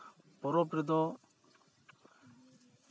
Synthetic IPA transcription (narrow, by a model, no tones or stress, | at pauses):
pɔɾɔpɾid̪ɔ